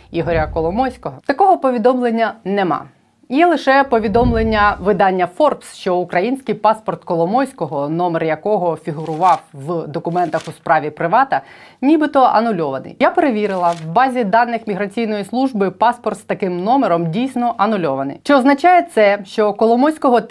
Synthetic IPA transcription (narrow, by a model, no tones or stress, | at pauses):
iɦɔɾʲɐkɔlˠɔmɔjsʲkɔɦɔt̪ɐkɔɦɔpɔʋʲid̪ɔmlˠenʲːɐnɛmɑ̰ | jɛlˠɪʃɛpɔʋʲid̪ɔmlˠenʲːɐʋɪd̪ɑnʲːɐfɔrpsʃt͡ʃɔʊkɾɐjinʲsʲkɪjpɑspɔrt̪kɔlˠɔmɔsʲkɔɦɔnɔmerjɐkɔɦɔfʲiɦʊɾʊʋɑwʋd̪ɔkʊmɛnt̪ɐxʊspɾɑʋʲipɾɪʋɑt̪ɐnʲibɪt̪ɔʔɐ̰nʊlʲɔʋɐnɪ̰jjapeɾeʋʲiɾɪlˠɐwbɑzʲid̪ɑnːɪxmʲiɦɾɐt͡sʲijnɔjislˠuʒbɪpɑspɔrt̪st̪ɐkɪmnɔmeɾɔmdʲijsʲnɔʔɐnʊlʲɔʋɐnɪ̰jt͡ʃɛːznɐt͡ʃɑjɛt̪sɛʃt͡ʃɔkɔlˠɔmɔsʲkɔɦɔ